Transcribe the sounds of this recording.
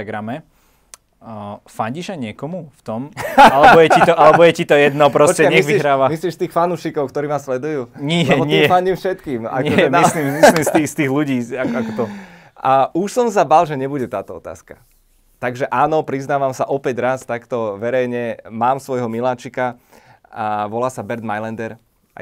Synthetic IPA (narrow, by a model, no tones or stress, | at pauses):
aɡɾamɛ | faɲɟiʃaɲɪɛkɔmuft̪ɔmalɛbɔjɛit̪ɔʔalɛbɔjɛcit̪ɔjɛd̪nɔpɾɔsɔt͡ʃcɛɲɛɣʋiiɦɾaːʋamisliːʃst̪iːxfanuːʃikɔʊkt̪ɔɾiːmaslɛd̪ujuːɲiɛɔɲɛfaɲɟiːmfʃɛt̪kiːma̰kɔɛmislimislimst̪iːst̪iːɣluɟiːakɔakɔt̪ɔ | uʃsɔms̬abalʒɛɲɛbuɟɛt̪aːt̪ɔɔt̪a̰ːska | t̪aɡʒɛʔaːnɔpɾiznaːʋamsaʔɔpɛɟɾast̪akt̪ɔʋɛɾɛjɲɛmaːmsʋɔjɦɔmilaːt͡ʃika | aʋɔlaːsabɛɾd̪majlɛnd̪ɛɾ̰